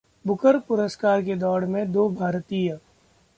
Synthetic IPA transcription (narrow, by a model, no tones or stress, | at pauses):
bʊkəɾpʊɾəskaːɾked̪ɔːɽmẽd̪oːbʱaːɾt̪iːjə̃